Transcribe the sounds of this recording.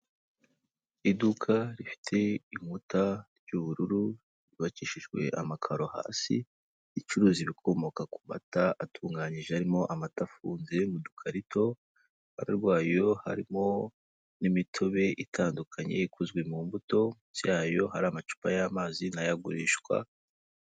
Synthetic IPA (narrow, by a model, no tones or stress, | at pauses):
idukʰaɾifi̥tʰe̞imutʰaɾɟuβuɾuɾu | iβat͡ʃiʃiʒɡwe̞̰ʔa̰makʰaɾo̞ha̰ːsḭː | t͡ʃuɾuːziβikʰo̞mo̞kaku̥ma̰taatʰuːŋɡaːɲiʒehaɾimo̞ʔamatafuːnze̞ŋɡudukʰaɾitʰo̞ | a̰ɾaɾɡwaːjo̞ha̰ɾimo̞ | nimitʰoβe̞ʔitʰaːndukʰaɲe̞̰ikuzɡwe̞muːmbuto̞muzjaːjo̞haɾamat͡ʃu̥pajamaːzinajaɡuɾiːʃɡwa̰